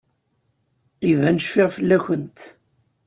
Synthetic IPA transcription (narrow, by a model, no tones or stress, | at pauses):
ivænəʃfɪʁfəlːæçənt̪